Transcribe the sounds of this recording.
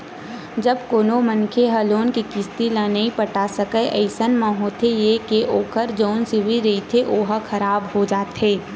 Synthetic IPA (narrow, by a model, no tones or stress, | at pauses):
d͡ʒəbkoːnomənkʰeɦɐloːnkikɪst̪ilãnɐɦĩpəʈasəkəʔəɪsənmãɦoːt̪ʰejekeʔoːkəɾd͡ʒoːnsɪʋiɾeit̪ʰeʔoːɦəkʰɐɾaːbɦod͡ʒaːt̪ɦeː